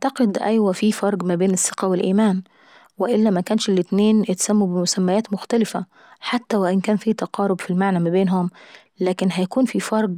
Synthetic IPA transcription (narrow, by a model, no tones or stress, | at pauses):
t̪ɑqed̪ʔæjwæfiːfɑɾˤɡmæbeːnesːe̥qæwelʔiːmæːn | weʔɪlːæmækæːnʃelːɪt̪neːnʔɪt̪sæmːubemʊsæmːæjæːt̪mʊxt̪ælɪfæ | ħat̪ːæwɪʔɪnkæːnfiːt̪ɑqɑːɾobfilmaʕnæmæbeːnɦom | læːkɪnɦæjækuːnfiːfɑɾˤɡ